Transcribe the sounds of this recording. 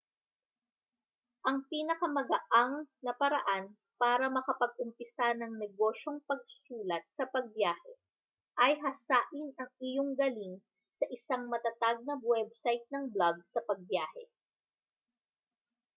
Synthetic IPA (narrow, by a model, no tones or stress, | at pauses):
ʔɐŋpiːnɐkɐmɐɡɐʔaŋnɐpɐɾɐʔan | paːɾɐmɐkɐpɐɡ̚ʔʊmpɪsanɐŋnɛɡo̞ːʃo̞ŋpɐɡ̚suːlɐt̪̚sɐpɐɡ̚bjaːhɛ | ʔɐjɦɐsaːʔɪnɐŋɪjoŋɡɐliŋ | sɐʔɪsaŋmɐt̪ɐt̪aɡ̚nɐwɛb̚sajt̪̚nɐŋblaɡ̚sɐpɐɡ̚bjaːhɛ̰